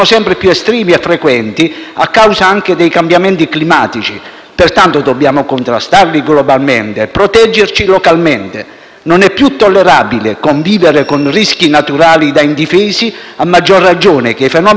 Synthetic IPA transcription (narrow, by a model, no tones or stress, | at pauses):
nʊsɛmpɾɪpjuɛst̪ɾiːmiɛfːɾekwɛnt̪ia̰kːawzaaŋked̪ɛjkambjament̪iklimaːt̪it͡ʃi | pɪrt̪ant̪ʊd̪ɔbːjaːmʊkʊnt̪ɾa̰st̪arliɡlɔbalment̪epɾɔt̪ɛd͡ʒːert͡ʃilɔkalment̪ḛ | nonɛpːjut̪ːɔlːeɾaːbilekoɱviːveɾekonriskinat̪uɾaːlid̪aind̪ifɛːsiamːad͡ʒːorːad͡ʒoːnɪkeifɛnɔː